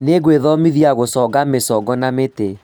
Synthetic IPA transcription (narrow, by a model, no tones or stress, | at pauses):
neɡweðɔmiðiaɣosɔɡamesɔɡɔnamete